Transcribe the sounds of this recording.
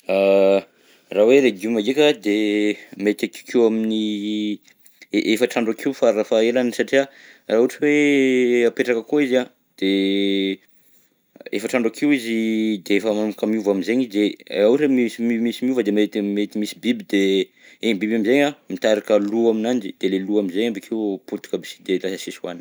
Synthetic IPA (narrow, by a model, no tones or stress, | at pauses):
a | raweɾeɡiumaɡekʲad̪emet̪aki̥kʰewamini | ʔefəʈ͡ʂaɳɖ͡ʐakʰiwfarafaelanisaʈ͡ʂiaraɦuʈ͡ʂiweapeʈ͡ʂakəkoiza | d̪̥e | ḛfaʈ͡ʂaɳɖ͡ʐakʰiwizid̪eefəmanukamiuvamizeɲid̪eauɾemimimisimiuvəd̪emaet̪met̪imisibibid̪e | eɲbibamizeɲamit̪aɾakəluaminand͡ʒid̪̥eleluaminzeɲambakʰewput̪u̥kəbisi̥d̪elasasisua̰n